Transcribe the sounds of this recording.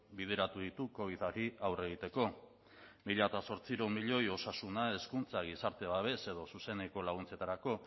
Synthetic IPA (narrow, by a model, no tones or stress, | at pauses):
bið̞e̞ɾat̪uðit̪uko̞β̞iðaɾiawre̞ɣ̞it̪e̞ko̞ | miʎat̪aso̞ɾt͡siɾomiʎo̞jo̞sasunae̞skunt͡saɣisaɾt̪e̞βaβ̞e̞se̞ð̞o̞suse̞ne̞ko̞laɣ̞unt͡se̞t̪aɾako̞